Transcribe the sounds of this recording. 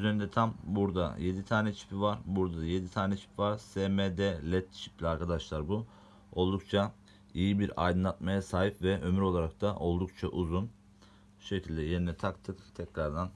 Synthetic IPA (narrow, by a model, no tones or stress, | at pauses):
yzenind̪ɛt̪ʰambuɾd̪a̰je̞d̪it̪ʰaːnɛt͡ʃʰi̥pʰivaɾbuɾd̪ad̪aje̞d̪it̪ʰaːnɛt͡ʃʰi̥pvaɾ̥semed̪ɛlʲɛt̪ːt͡ʃʰi̥plʲiaɾkʰad̪aʃlˠaɾbu | o̞lˠd̪ukt͡ʃʰa | ijibiɾa̰jd̪ɯnlˠat̪majasaːɦipvɛʔø̞myɾo̞lˠaɾak̚t̪ʰaʔo̞lˠd̪ukt͡ʃʰaʔuzun | ʃe̞cʰilʲd̪ɛje̞ɾinɛt̪ʰakt̪ʰɯkt̪ʰɛcɾaɾd̪an